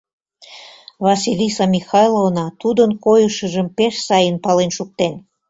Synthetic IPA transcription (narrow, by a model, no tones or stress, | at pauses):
vɑsilʲisɑmʲixɑjlˠovnɑt̪ud̪ənkojəʃə̆ʒəmpeʃsɑjənpɑlenʃuk̚t̪en